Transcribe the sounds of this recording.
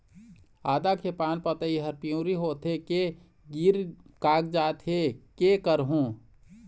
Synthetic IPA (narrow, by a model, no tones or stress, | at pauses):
aːd̪akʰepaːnpət̪əiɦəɾpiũːɾiɦoːt̪ɦeke | ɡiːɾkaːkd͡ʒaːt̪ɦekekəɾɦũː